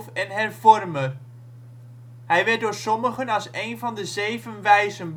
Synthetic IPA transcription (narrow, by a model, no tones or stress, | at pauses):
fɛnɦɛrvɔrmə | ɦɛjʋɛɹt̚dʊːɹsɔməχənɑlˠsejnvɑndəzejvənʋɛjzənb